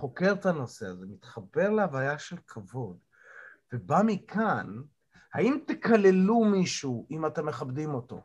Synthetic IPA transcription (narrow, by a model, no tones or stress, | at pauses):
χo̞ke̞ʁt̪ano̞se̞aze̞mit̪χabe̞ʁleavajaʃe̞lkʰavo̞d̪ | vebamikʰan | haimt̪ekale̞lumiʃuʔimatemːe̞χabdimo̞to̞̰